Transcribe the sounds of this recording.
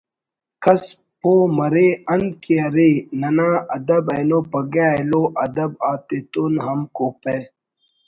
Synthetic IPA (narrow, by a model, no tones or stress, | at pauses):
kɐs | poːmɐɾeːɐnd̪̚kiɐɾeːnɐnaːɐd̪ɐbɐjnoːpɐɡaːeloʔɐd̪ɐbaːt̪et̪unɦɐmkope